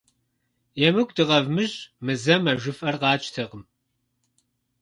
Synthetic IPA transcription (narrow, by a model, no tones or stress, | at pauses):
jɛmɨɡʷdɨʁɐvmɨʑmɨzɐmɐʒʷɨfʼɐrqɑːt͡ʃʼtʰɨʁəm